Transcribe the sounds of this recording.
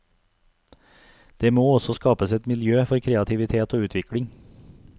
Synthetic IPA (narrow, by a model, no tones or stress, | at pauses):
d̪̥eːmoːɔsɔskɑːpəsɛt̪mɪljøːfɔɾkʰɾeːɑt̪ʰɪʋɪt̪ʰeːt̪oːʉːt̪ʰʋɪkɽɪŋ